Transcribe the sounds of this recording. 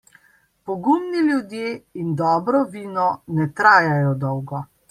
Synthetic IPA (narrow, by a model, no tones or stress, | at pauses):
pɔɡumnilʲjud̪jeːind̪ɔːbɾɔʋiːnɔnɛt̪ɾaːjajɔd̪ɔwɡɔ